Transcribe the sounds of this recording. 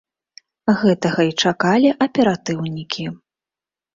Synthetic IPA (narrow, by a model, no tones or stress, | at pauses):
ɣɛt̪ɐɣɐit͡ʂakalʲiʔɐpʲɛɾat̪ɨwnʲikʲʰi